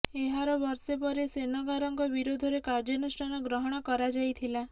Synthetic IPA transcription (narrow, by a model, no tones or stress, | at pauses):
eɦaɾɔbɔɾsepɔɾesenɔɡaɾɔŋkɔbiɾod̪ʱɔɾekaɾd͡ʒɔnusʈʰanɔɡɾɔɦɔɽ̃ɔkɔɾad͡ʒajt̪ʰila